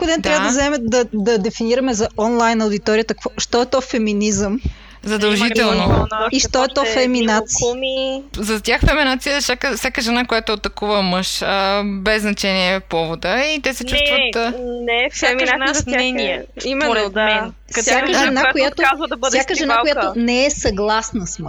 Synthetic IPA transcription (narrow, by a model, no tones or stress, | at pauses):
kʊd̪ɛnt̪ɾavəd̪ɐzɐɛmɛd̪ɐd̪ɐd̪ɛfiniɾɐmɛzɐɔnlˠajnɐoʊd̪it̪ɔɾiət̪ɐkvɔʃt̪ɔɛt̪ɔfɛminizəm | zɐd̪ɐlˠʒiɛlˠnoiʃt̪ɔɛt̪ɔfɛminat̪smizɐt̪ʲaxfɛminat̪sijəsʲakəfsʲakəʒɛnakojat̪oot̪ɐkuvəməʃəbɛzːnɐt͡ʃɛniɛpɔvod̪əit̪ɛsɛt͡ʃust̪vət̪nɛfsʲaʒanaɛniɛimɛa | fsjakəʒɛnakojat̪oazvəd̪ɐbssjakəʒɛnaojat̪onɛɛsɐɡlˠasnəsm